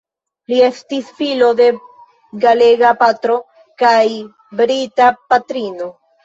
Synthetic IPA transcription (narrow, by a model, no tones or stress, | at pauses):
lie̞stisfilo̞de̞ | ɡale̞ɡapatɾo̞ | kaj | bɾitapatɾino̞